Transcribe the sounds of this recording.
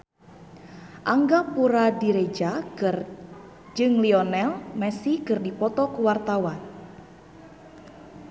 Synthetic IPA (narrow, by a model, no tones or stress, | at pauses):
ʔaŋɡapuɾadiɾed͡ʒa | d͡ʒɨŋliɔnɛlmɛsikɨrdipɔt̪ɔkuwart̪awan